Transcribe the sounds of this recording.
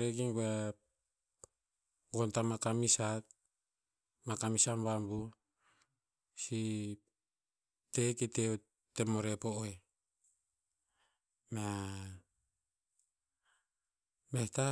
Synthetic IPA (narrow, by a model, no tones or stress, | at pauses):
ɾeɡiŋɡue | ɡontamakamisat̚ | makamisambambu | si | teketeo | temoɾepoʔoe | me | mehta